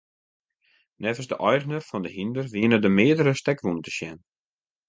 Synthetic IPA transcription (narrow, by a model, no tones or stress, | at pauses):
nɛvəsdəʔɔjrənərfɔndəhindərʋiənədəmɪədəɾəstɛkʋuntə̥ʃjɛn